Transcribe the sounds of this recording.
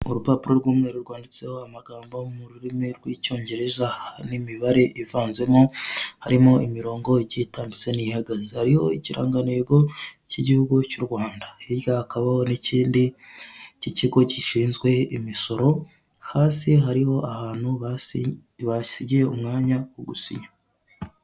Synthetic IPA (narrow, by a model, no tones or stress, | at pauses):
uɾupaːpuɾo̞ɾɡwuːmŋeɾuɾɡwaːndit͡se̞ho̞amaɡaːmbamuɾuɾimiɾɡwico̞ːɲɟe̞ɾe̞zahnimiβaɾe̞ʔivaːnze̞mohaɾimo̞imiɾo̞ːŋɡo̞iɟitaːmbit͡se̞nihaɡazehaɾiho̞̰iciɾa̰ːŋɡaneɡo̞ciɟihuɡucuɾɡwaːndaiɾɡahakaβaho̞niciːndi | ciciɡo̞ciʃiːnzɡwe̞imiso̞ɾo̞ | haːsiɦaɾiho̞ʔahaːn̥huβ | βasiɟieumŋaːɲawoɡusḭɲa